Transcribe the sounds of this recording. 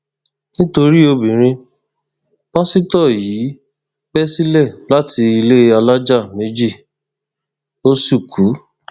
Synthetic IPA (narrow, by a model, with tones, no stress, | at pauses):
nĩ˦to˧ɾi˦o˧bĩ˨ɾ̃ĩ˧ | ɔ˦si˦tɔ˦˨jiː˨˦ | b̥ɛ˦si˦lɛ˦˨la˨˦tʰi˧i˧le˦a˧la˦d͡ʒa˦˨me˨˦d͡ʒi˦˨ | o˦su˦˨kʰu˨˦